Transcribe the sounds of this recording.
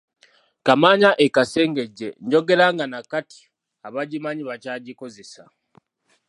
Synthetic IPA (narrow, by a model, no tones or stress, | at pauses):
kamaɲaʔekase̞ːŋɡe̞ɟːe̞ɲɟo̞ɡe̞ɾaːŋɡanakati̥ | aβaɟimaɲiβacaːɟiko̞ze̞sa